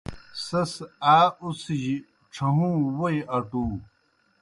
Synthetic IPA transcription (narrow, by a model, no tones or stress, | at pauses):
sɐsaːusiʑi | ʈ͡ʂʰɐɦũːwojʔɐʈuː